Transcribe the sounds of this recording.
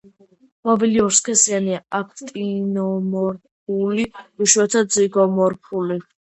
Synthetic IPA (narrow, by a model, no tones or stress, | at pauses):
maviliɔɾskʰɛsianiaakʰt̪ʼinɔmɔɾp̚ʰuliuʃwɛt̪ʰad̪ziɡɔmɔɾpʰuli